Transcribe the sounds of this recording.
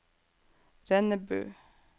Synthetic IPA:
ɾɛnəbø̰ː

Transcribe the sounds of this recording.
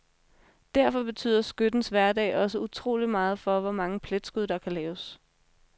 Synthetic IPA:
d̥æɐfɒ̽b̥e̝t͡sʰy̰ðˠɐsɡ̥ød̥n̩sʋæɐd̥ɛ̰ːɪʔɒ̽səut͡sʰʁo̝̰ːlimɑ̈ːð̞̩ˠfɒ̽ʋɒmɑ̈ŋəpʰled̥sɡ̥uðˠd̥ɑ̈kʰælɛːʊs

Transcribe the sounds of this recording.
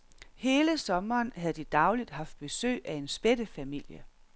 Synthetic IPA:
he̝ːləsɒ̽mɐːnhæð̩ˠd̥id̥ɑ̈ʊlid̥ɦɑ̈fd̥̚b̥e̝sø̰ːɪʔæe̝nsb̥ed̥əfæmil̰jə

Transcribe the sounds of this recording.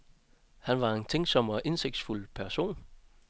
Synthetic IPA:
hænʋɑ̈e̝nt͡sʰeŋ̰ɡ̥sɒ̽m̰ɒ̽ʔe̝nse̝ɡ̥d̥sful̰pʰæɐso̝̰ːn

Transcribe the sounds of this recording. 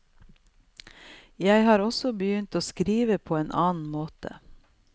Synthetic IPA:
jæɪhɑːɾɔsɔbəjʏnt̪oːskɾiːʋəpʰoːeːnʔɑːn̩moːt̪ʰə̰

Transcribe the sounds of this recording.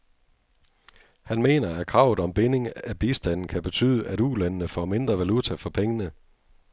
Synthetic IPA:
hænme̝̰ːnɐæ̥kʰʁɑ̈ʊ̰ð̩ˠɒ̽mb̥e̝ne̝ŋæb̥isd̥æn̰n̩kʰæb̥e̝t͡sʰy̰ːðˠəʔæɾ̥ulænənəfɒ̰me̝nd̥ʁɐʋælut͡sʰæfɒ̽pʰeŋənə

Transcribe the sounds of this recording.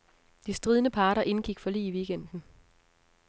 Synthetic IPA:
d̥isd̥ʁið̞ˠnəpʰɑ̈ːɾɐʔe̝nɡ̥iɡ̥fɒ̽lḭːʋiːɡ̥en̰d̥n̩

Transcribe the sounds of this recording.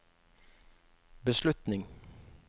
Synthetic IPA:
bəʃlʉt̪nɪŋ

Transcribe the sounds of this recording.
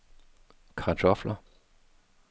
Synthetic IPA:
kʰɑdɔflɐ

